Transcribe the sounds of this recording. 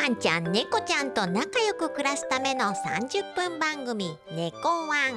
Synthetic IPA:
ant͡ʃanːekot͡ʃant̪ɔnakajokukɾɛst̪amɛnɔŋsa̰nd͡ʒɯk̚pəmbaŋɡomi | nekowaŋ

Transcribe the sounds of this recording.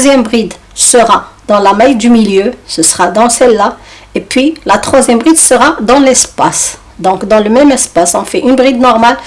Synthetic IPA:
zjɛmbʁid̪ | səʁad̪ɑ̃lamajd̪ymiljøsəsəʁad̪ɑ̃sɛlːa | epɥilat̪χwazjɛmbʁid̪səʁad̪ɑ̃lɛspas | d̪ɔ̃kd̪ɑ̃ləmɛmɛspasɔ̃fɛʔynbʁid̪nɔʁmal

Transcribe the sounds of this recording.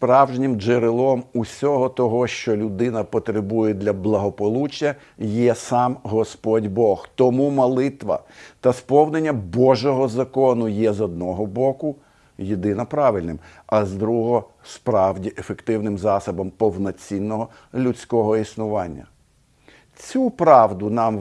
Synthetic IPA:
spɾɑwʒnʲɪmd͡ʒeɾelˠɔmusʲɔɦɔt̪ɔɦɔʃt͡ʃɔlʲʊd̪ɪnɐpɔt̪ɾebujɛd̪lʲɐblˠɐɦɔpɔlˠut͡ʃɐ | jɛsɑmɦɔspɔdʲbɔxt̪ɔmumɐlˠɪt̪ʋɐ̰t̪ɐspɔwnenʲːɐbɔʒɔɦɔzɐkɔnʊjɛzɔd̪̚nɔɦɔbɔkʊ | jed̪ɪnɐpɾɑʋɪlʲnɪm | ɐzd̪ɾuɦɔɦɔ | spɾɑwdʲiʔefekt̪ɪwnɪmzɑsɐbɐmpɔwnɔt͡sʲinːɔɦɔ | lʲʊt͡sʲkɔɦɔisnʊʋɑnʲːɐ̰ | t͡sʲupɾɑwd̪ʊnɑm

